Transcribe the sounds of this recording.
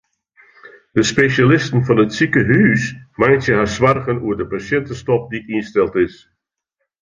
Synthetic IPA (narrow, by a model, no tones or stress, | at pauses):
dəspeʃalɪstənfɔnətsikəɦyːsmajsjəɦasʋarɣənuəɹdəpasɛntəstɔp̚diinstɛlˠtɪs